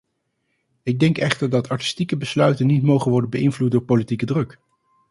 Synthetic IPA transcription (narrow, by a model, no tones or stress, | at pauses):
ɪɡ̚dɛŋkɛχtəɹdɑtʰɑɹti̥stikəbəslœɥtənːitmowχənʋɔɹdənbəɪnvlut̚dʊːɹpolitikədrɵk